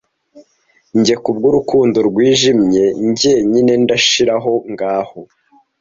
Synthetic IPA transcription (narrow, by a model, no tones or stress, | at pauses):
ɲɟe̞kubɡoɾukuːndoɾɡwiːʒimɲe̞ɲɟeɲine̞ndaʃiɾaɦo̞ŋɡaːho̞